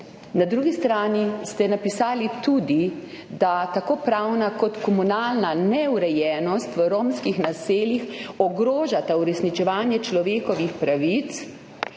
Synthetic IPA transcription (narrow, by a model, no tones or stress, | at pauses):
nad̪ɾuɡist̪ɾaːnist̪ɛnapisaːlit̪ud̪i | d̪at̪akoːpɾawnakɔt̪kɔmunalnanɛuɾɛjɛːnɔst̪ʋəɾoːmskixnaseːljixɔɡɾoːʒat̪auɾɛsnit͡ʃɛʋaːnjɛt͡ʃlɔʋeːkɔʋixpɾaʋit̪s